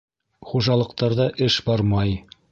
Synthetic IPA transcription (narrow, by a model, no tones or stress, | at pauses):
χuʒɑlˠɤ̆q̚t̪ɑɾðɑʔɘʃbɑɾmɑj